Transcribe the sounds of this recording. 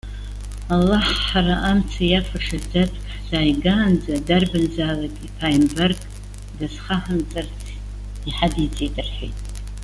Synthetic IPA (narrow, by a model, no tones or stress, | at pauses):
alːaħħaraʔamt͡sʰajafʷʰaʂad͡zatʰʼħzaːjɡaːnd͡zadarbɨnd͡zaːlakʼipʰajmbarɡʼ | dazχaħand͡zʼar | iħadid͡zʼidʼɨrħʷᶣḛjtʼ